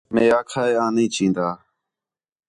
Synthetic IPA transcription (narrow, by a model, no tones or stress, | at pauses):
mẽːaːkʰaːeːaːnĩːt͡ʃĩːnd̪aː